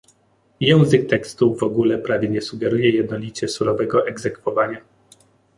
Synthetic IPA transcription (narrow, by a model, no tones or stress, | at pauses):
jɛw̃zɘk̚t̪ɛkst̪uvɔɡulɛpɾavʲjɛɲɛsuɡɛɾujɛjɛd̪̚nɔlʲit͡ɕɛsuɾɔvɛɡɔʔɛɡzɛkfɔvaɲa